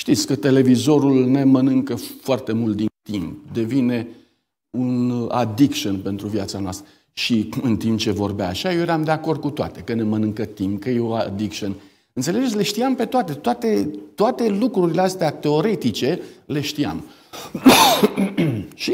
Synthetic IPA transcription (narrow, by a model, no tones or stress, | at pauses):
ʃt̪it̪sʲkət̪e̞le̞vizo̞ɾulne̞mənɨŋkəfoart̪e̞mult̪̚d̪int̪imp̚d̪e̞vine̞ | una̰d̪ikʃonpe̞nt̪ɾuvjat̪sanoa̰st̪ɾə | ʃiɨnt̪impt͡ʃe̞vo̞rbea̰ːʃajojeɾamd̪e̞ako̞rd̪̚kut̪oa̰t̪e̞kəne̞mənɨŋkət̪impkəjeoad̪ikʃon | ɨnt̪sele̞d͡ʒesʲle̞ʃt̪iampe̞t̪oat̪e̞t̪oat̪e̞t̪oat̪e̞lukɾuɾileast̪eat̪e̞o̞ɾe̞t̪it͡ʃe̞le̞ʃt̪ia̰m | ʃi